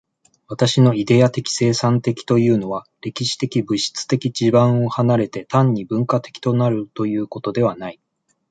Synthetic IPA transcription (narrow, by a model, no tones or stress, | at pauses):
βat̪aɕino̞id̪e̞at̪e̞kʲi̥se̞ːsãnt̪e̞kʲi̥t̪o̞jɯ̟ːno̞βaɾe̞kʲiɕi̥t̪e̞kʲibɯ̟ɕi̥t͡sɨ̥t̪e̞kʲid͡ʑibãɰ̃o̞hanaɾe̞t̪e̞t̪ãɲ̟ːibɯ̟̃ŋkat̪e̞̥kʲi̥t̪o̞naɾɯ̟t̪o̞jɯ̟ːko̞t̪o̞d̪e̞β̞anai